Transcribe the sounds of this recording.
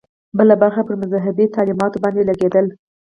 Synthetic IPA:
bəlabaɾxapəɾmʊzɑɦɪbet̪ɑlimɑt̪obɑnd̪elaɡed̪əl

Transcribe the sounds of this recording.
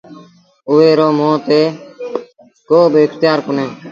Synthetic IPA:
ʊːʋeːɾoːmõːt̪eː | koːbʱɪkt̪ɪjaːɾkʊnẽː

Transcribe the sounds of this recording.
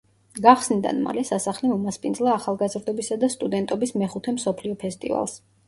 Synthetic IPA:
ɡaχsnid̪a̰nma̰lɛsasaχlimumaspʼind̪zlˠaːχalˠɡazɾd̪ɔbisad̪ast̪ʼud̪ɛnt̪ʼɔbismɛχut̪ʰɛmsɔpʰliɔpʰɛst̪ʼḭva̰lˠs

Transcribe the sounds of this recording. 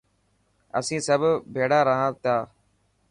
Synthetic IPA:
ə̰sĩːsəbʱbʱeːɽaːɾəɦãːt̪jaː

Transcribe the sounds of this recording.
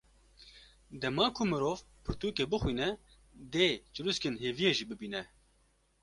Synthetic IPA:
d̪ɛmɑːkʰʊmɨɾoːvpʰɨɾt̪uːkeːbɨxwiːnɛ | d̪eːt͡ʃɨɾuskɨnɦeːvijeːʒiːbɨbiːnɛ

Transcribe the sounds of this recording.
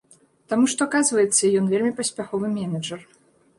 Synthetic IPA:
t̪amuʂt̪ɔakazvɐjɛt̪sːɐjɔnvʲelʲmʲipɐsʲpʲaxɔvɨmʲɛnɐd͡ʐɐr

